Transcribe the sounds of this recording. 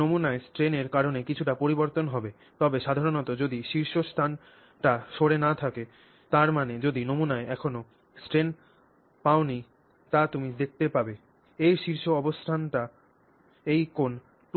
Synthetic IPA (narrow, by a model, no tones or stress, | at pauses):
omunaesʈɾeneɾkaɾonekit͡ɕʰuʈapoɾiboɾt̪onɦɔbe | t̪ɔbeʃad̪ʱaɾonɔt̪od͡ʑod̪iʃiɾʃost̪ʰan | ʈaʃoɽenat̪ʰake | t̪aɾmaned͡ʑod̪inomunaeɛkʰono | sʈɾen | paoni | t̪at̪umid̪ek̚t̪epabe | ejʃiɾʃoɔbosʈ̪ʰanʈa | ejkon | ʈ